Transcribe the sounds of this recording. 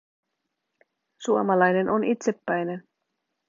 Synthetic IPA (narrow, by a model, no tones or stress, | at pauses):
suomɑlɑjne̞nʔonʔit̪se̞pːæjne̞n